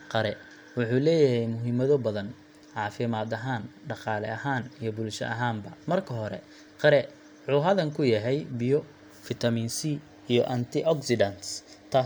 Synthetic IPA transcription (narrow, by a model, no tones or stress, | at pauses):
qɑɾɛ | wʊħuːlɛːjɐɦɛjmʊɦimɐðɔbɐðɐn | ʕɑːfɪmaːðɐɦaːnɖɑqɑːlɛ̰ʔɐɦaːnijɔbʊlʃɐ̰ʔɐɦaːmbɐmɐrkʰɐɦɔɾɛ̰ | qɑɾɛ | wʊħuːɦɐðɐŋkʰʊjɐɦɛjbɪjɔ | fɪt̪ʰɐmiːnsi | ijɔʔɐnt̪ʰɪʔɔksɪdɐnst̪ʰaː